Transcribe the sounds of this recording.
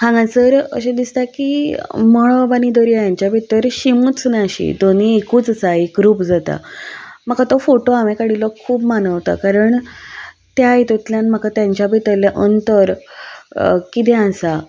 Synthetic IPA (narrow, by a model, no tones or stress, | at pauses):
hãŋɡãt͡səɾə̰ɕãd̪ist̪akimɔɭbanid̪ɔɾiajaɲt͡ɕjabʱit̪əɾɕimuːt͡snaaɕḭd̪oniekuːt͡səsaikɾuːpd͡zat̪a̰m̤akat̪ɔfoʈoamẽkaɽilɔkʰuːbmanəʋt̪a̰kaɾəɳ | t̪jajt̪ut̪ljanm̤akat̪jaɲt͡ɕjabʱit̪əlaʔənt̪əɾ | kit̪̬ɛ̃ãsa